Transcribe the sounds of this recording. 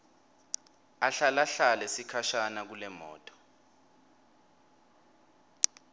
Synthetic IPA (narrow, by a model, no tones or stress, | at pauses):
aɬalaɬalesikʰaʃanak̬ulɛmɔ̰ːtʼɔ̥